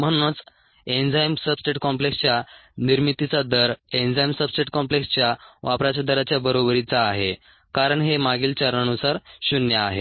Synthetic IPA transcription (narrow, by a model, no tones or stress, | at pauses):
m̤əɽ̃ũt͡s | end͡zajmsəbsʈeʈkɔmplekst͡ɕjaniɾmit̪it͡sad̪əɾend͡zajmsəbsʈeʈkɔ̃mplekst͡ɕjaʋapɾat͡ɕad̪əɾat͡ɕjabəɾobɾit͡saːɦe | kaɾəɳɦemaɡiːlt͡ɕaɾnənusaɾɕunjəaɦe